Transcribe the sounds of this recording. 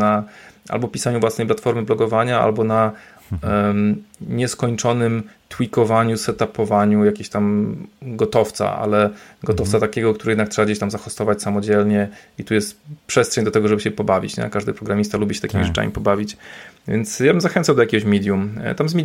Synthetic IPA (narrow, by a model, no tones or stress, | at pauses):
aʔa̰lbɔpʲisaɲuvwasnɛjplat̪fɔɾmɘblɔɡɔvaɲaa̰lbɔna | ɲɛskɔɲt͡ʂɔnɘm | t̪wikɔvaɲusɛt̪apɔvaɲujakʲeɕt̪amɡɔt̪ɔft̪sa̰ʔa̰lɛɡɔt̪ɔft̪sat̪akʲɛɡɔkt̪uɾɛɪjɛd̪ak̚tʂɛbaɡd͡ʑeɕt̪amzaxɔst̪ɔvat͡ɕsamɔd͡ʑɛlɲɛit̪ujɛst̪pʂɛst̪ʂɛɲd̪ɔt̪ɛɡɔʐɛbɘɕɛpɔbavʲḭt͡ɕɲɛ̰kaʐd̪ɘpɾɔɡɾamʲist̪alubʲiɕɛ̥t̪akʲimḭʐɨt͡ʂa̰mʲḭpɔbavʲit͡ɕvʲjɛ̰nt̪sjabɘmzaxɛnt̪sawd̪ɔjakʲɛɡɔɕmʲɛd̪ʲjum̰t̪amzmʲi